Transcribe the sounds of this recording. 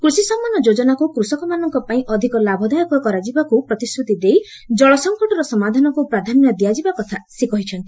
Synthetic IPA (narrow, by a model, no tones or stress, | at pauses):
kɾusisɔmːanːɔd͡ʒod͡ʒɔnakukɾusɔkɔmanɔŋkɔpaĩʔɔd̪ʱikɔlabʱɔd̪ajɔkɔkɔɾad͡ʒibakupɾɔt̪iskɾut̪id̪ej | d͡ʒɔɭɔsɔŋkɔʈɔɾɔsɔmad̪ʱanɔkupɾad̪ʱanjɔd̪ijad͡ʒibakɔt̪ʰasekɔɦit͡ʃʰɔnt̪i̥